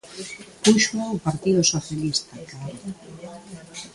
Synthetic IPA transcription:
puʃmoʊpaɾt̪iðʊsoθjalist̪aka

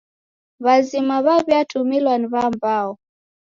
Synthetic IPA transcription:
βazimaβaβjatʰumilwaniβambaːɔ

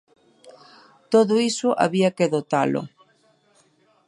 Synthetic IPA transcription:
t̪oðoisʊʔa̰βiakeðot̪alo̰

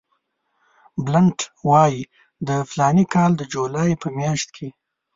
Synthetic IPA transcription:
blaɳʈwɑji | d̪əflɑnikʰɑld̪əd͡ʒolɑjpəmjɑʃt̪kʰe

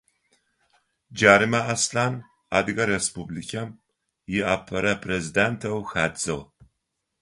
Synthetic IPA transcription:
d͡ʒaːɾimɐʔasɬaːn | aːdɨɡɐɾespublikʲʰam | jɪʔapʰɐɾɐpʰrezidentʰɐwxaːdd͡zɨʁ

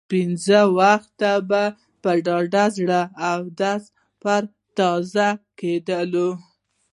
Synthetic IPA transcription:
pinzəwaxt̪aba | pəɖɑɖazɽəawd̪as | pəɾ | t̪ɑzaked̪əlo

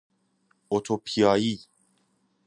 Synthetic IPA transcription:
ot̪ʰopʰiaji

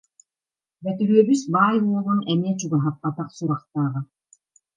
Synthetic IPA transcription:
bɛt̪yɾyœbysbaːjuɔlˠunɛmiɛt͡ɕuɡaɦap̚ːat̪aχsuɾaχt̪aːʁɯ

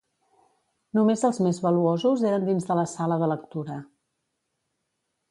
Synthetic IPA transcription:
numezəlˠzmezβəluozuzeɾənd̪inzðələsaləðələk̚t̪uɾə

